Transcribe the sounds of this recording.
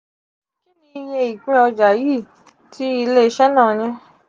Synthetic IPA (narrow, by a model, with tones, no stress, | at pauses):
kĩ˦nĩ˧je˧i˨k͡pĩ˦ɔ˧d͡ʒa˨ji˦˨ | tʰi˨˦i˧le˦˧˦ʃɛ˦nã˦˨j̃ɛ̃˧